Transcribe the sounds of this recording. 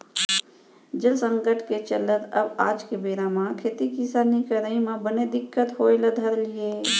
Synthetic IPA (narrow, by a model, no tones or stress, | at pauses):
d͡ʒəlsəŋɡəʈʰket͡ʃələt̪əbaːd͡ʒkebeɾamãkʰet̪ikisanikəɾəimãbəned̪ɪkːət̪ɦojləd̪ʱəɾlije